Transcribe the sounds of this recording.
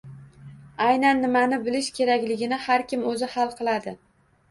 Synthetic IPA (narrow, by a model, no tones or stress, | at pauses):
ajnanːɪmanɪbɪlɪʃkʲʰe̞ɾakʲlɪɡʲɪnɪhaɾkʲɪmɵzɪhalˠqʰɨlˠad̪ɪ